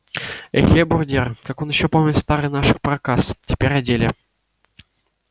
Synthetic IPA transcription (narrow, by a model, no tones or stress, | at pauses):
ḛxʲebʊrdʲerkakonjɪɕːopomʲnʲɪt̪st̪aɾɨjnaʂɨxpɾɐkastʲɪ̥pʲeɾʲadʲelʲɪ